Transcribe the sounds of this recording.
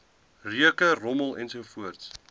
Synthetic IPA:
riəkərɔməlˠɛ̰nsuəfuərts

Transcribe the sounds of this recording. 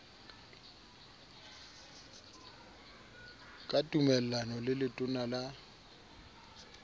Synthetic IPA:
kʼatʼumɛl̩lanɔlɪlɪtʼʊnala

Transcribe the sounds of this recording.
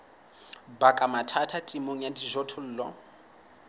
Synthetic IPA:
bakʼamatʰatʰatʼimoŋ̩jadiʒʷɔtʰʊl̩ːlɔ̰

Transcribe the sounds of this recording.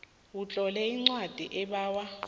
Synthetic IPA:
wut͡ɬʼɔlɛiŋ͡ǀwad̥ʱḭʔɛɓaːwa

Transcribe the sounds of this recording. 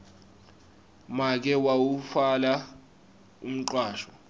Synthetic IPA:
mak̬ɛwawufala | um̩ǃwaːʃɔ

